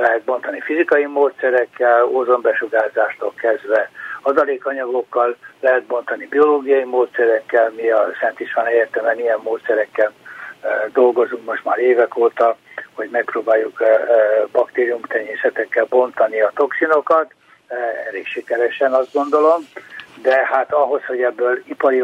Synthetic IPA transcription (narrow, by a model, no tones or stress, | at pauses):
lɛɦɛt̪̚bo̞nt̪ɒnifizikɒjimoːt̪sɛɾɛkːɛlozombɛʃuɡaːzaːʃt̪olkɛzd̪ʋɛɒzɒleːkɒɲɒɡo̞kːɒllɛɦɛt̪̚bo̞n̪t̪ɒnibio̞loːɡijɒjimoːt̪sɛɾɛkːɛlmiɒsɛnt̪iʃʋɒnɛeːrt̪ɛmɛnijɛmːoːt̪sɛɾɛkːɛl | d̪o̞lɡo̞zuŋkmoʃt̪maːɾeːvɛkoːt̪ɒho̞ɟmɛk̚proːbaːjuk | bɒkt̪eːɾiumt̪ɛɲːeːsɛt̪ɛkːɛlbo̞nt̪ɒniɒt̪o̞ksino̞kɒt̪ | ɛ̰ɾeːkʃikɛɾɛʃɛnɒzd̪ɡo̞nd̪o̞lo̞md̪ɛhaːt̪ɒɦo̞sho̞ɟɛbːøːlipɒɾi